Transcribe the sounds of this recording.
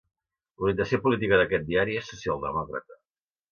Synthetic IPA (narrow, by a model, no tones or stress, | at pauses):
luɾiənt̪əsiopulit̪ikəðəkɛt̪̚d̪iaɾiesːusialˠd̪ə̰mɔkɾə̰t̪ə